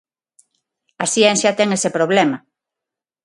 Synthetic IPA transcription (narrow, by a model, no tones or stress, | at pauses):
ɐsiɛnsjɐt̪ɛŋesepɾoβlɛma